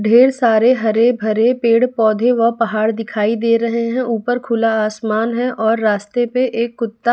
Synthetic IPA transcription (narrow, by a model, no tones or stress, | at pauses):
ɖʱeːɽsaːɾeɦɐɾebʱɐɾepeːɽpɔːd̪ʱeʋɐpɐɦaːɾd̪ɪkʰaːid̪eːɾɐɦeɦɛ̃ʔuːpəɾkʰʊlaaːsmaːnɦɛ̃ʔɔːɾːaːst̪epeʔeːkːʊt̪ːa